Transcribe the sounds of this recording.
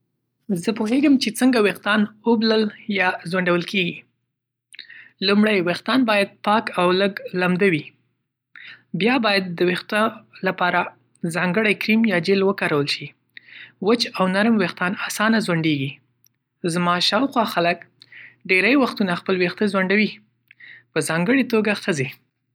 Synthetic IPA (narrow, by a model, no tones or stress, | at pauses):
zəpoɦeɡəmt͡ʃet͡səŋɡaweqt̪ɑnəbləljɑzwaɳɖawəlkeɡi | lumɽajwext̪ɑnbɑjad̪̚pɑkawləɡlamd̪awi | bjɑbɑjad̪ːəwext̪alapɑɾa | zɑŋɡəɽajkɾimjɑd͡ʒelwəkɑɾawəlʃi | wət͡ʃawnaɾmwext̪ɑnasɑnazwaɳɖeɡi | zmɑʃɑwxwɑxalək | ɖeɾajwaxt̪unaxpəlwext̪əzwaɳɖawi | pəzɑŋɡəɽet̪oɡaxəze